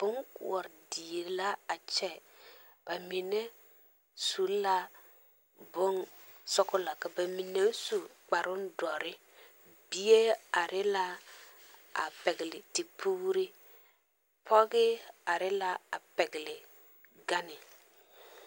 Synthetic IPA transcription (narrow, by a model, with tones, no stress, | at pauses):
b̥ʊ˦ŋkʊ̰˨ɔ˨ɾdi˨˦la˦a˨t͡ʃɛ˦ | b̥a˨mi˨nɛ˦ | su˨˦la˦ | bʊ˦n | sɔ˦kʊ˦la˨ka˨ba˨mi˨ne˦su˨k͡pa˨ɾʊ˦n˦dɔ˨ɾɪ˦ | bi˦e˦a˨ɾʔɪ˦la˦ | a̰˨pɛ˨ɡɪ˨lɪ˨tɪ˨pʰuː˦ɾɪ˦ | pʰɔ˦ɡɪ˦a˨ɾɪ˦la˦a˨pɛ˨ɡɪ˨lɪ˨ | ɡa˦nɪ˨